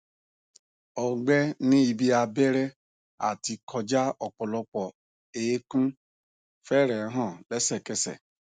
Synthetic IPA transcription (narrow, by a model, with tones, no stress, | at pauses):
ɔ˨ɡ͡bɛ˦nĩ˦i˨bi˦a˨be˦ɾe˦ | a̰˨ti˧kʰɔ˧d͡ʒa˦ɔ˨k͡pɔ˨lɔ˦k͡pɔ˨ | eː˨˦kũ˦ | fɛ˦ɾɛ˨˦ɦɔ̃˦˨lɛ˦sɛ˨ke˦sɛ̰˨